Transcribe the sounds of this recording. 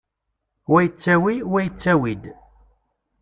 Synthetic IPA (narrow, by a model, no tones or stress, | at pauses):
wæjət͡sːæwiwæjət͡sːæwid̪